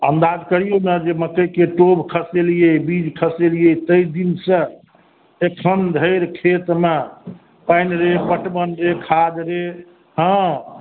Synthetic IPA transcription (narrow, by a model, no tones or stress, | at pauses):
ənd̪ad͡ʒkəɾijonəd͡ʒeməkəjkeʈobkʰəselijebid͡ʒkʰəselijət̪əid̪insə̃ | ekʰənd̪ʱəɪɾkʰet̪me | pajnɾepəʈbənɾekʰad͡ʒ̪ɾe | ɦə̃